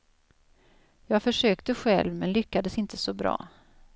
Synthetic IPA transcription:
jɑːɡfœʂøːkt̪əɧɛ̰lvmɛnlʏkːad̪əsɪnt̪ʰəsɔbɾɑ̰ː

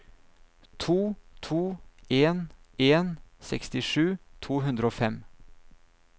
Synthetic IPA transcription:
t̪ʰuːt̪ʰuːeːneːnsɛ̰kst̪ɪʂʉːt̪ʰuːɦʉnd̪ɾəoːfɛm

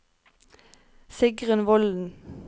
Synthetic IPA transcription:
sɪɡʁənʋɔln̩

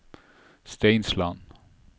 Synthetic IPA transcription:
st̪eɪnslan

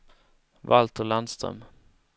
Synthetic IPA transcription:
valt̪ʰəland̪st̪ɾœ̰m

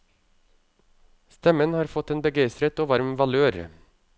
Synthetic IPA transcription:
st̪ɛmənhɑːɾfɔt̪eːnbəɡæɪst̪ɾət̪oːʋɑɾmʋɑløːɾ

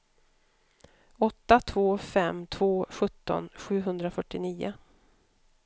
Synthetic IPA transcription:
ɔt̪ːat̪ʰvoːfɛmt̪ʰvoːɧɵt̪ːɔ̰nɧʉ̟ːɦɵnd̪ɾafœʈːɪniːʊ̰

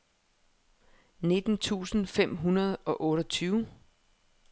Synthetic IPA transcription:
ne̝d̥n̩t͡sʰṵːsn̩fem̰ɦunɐð̞̩ˠɒ̽ʔɔ̽ːɾɒt͡sʰyːʊ

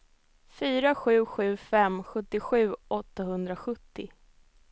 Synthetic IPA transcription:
fyːɾaɧʉ̟ːɧʉ̟ːfɛmɧɵt̪ːɪɧʉ̟ːʔɔt̪ːaɦɵnd̪ɾaɧɵt̪ːɪ

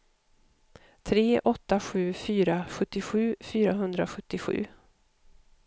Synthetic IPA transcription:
t̪ʰɾeːʔɔt̪ːaɧʉ̟ːfyːɾaɧɵt̪ːɪɧʉ̟ːfyːɾaɦɵnd̪ɾaɧɵt̪ːɪɧʉ̟̰ː

